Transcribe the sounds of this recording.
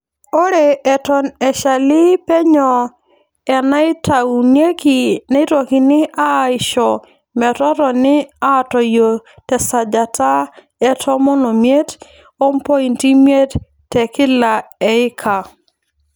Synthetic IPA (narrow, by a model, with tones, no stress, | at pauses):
o˦ɾe˨ɛ˨tɔ˨nɛ˨ʃa˨lɪ˦pɛ˦ɲɔ˨ | ɛ˨na˦ɪ˦ta˨u˨nje˦ki˨nɛ˦ɪ˦tɔ˨ki˨nɪ˦ʔa˦ɪ˨ʃɔ˨ | mɛ˨tɔ˦ɾɔ˨nɪ˦a˦˨tɔ˨jo˨tɛ˨sa˨d͡ʒa˨tʰa˦ | ɛ˦tʰɔ˦mɔ˦no˨mje˦t | o˦mpɔ˦i˨nti˦mje˦t | tːɛ˨kɪ˦la˨ɛ˨ɪ˦kʰa˨